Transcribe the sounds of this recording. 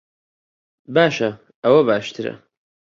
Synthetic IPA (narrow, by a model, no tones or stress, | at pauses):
baːʃɐ | ɐwɐbaːʃt̪ʰɨɾɐ̰